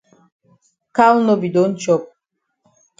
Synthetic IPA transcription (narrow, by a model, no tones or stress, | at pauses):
kʰawnɔbid̪ɔnt͡ʃʰɔp̚